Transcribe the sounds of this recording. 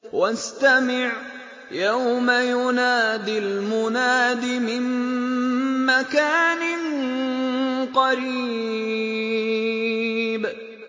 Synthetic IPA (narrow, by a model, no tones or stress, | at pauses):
wast̪amɪʕ | jawmajʊnaːd̪ɪlmʊnaːd̪ɪmɪm | makaːnɪn | qɑɾiː | b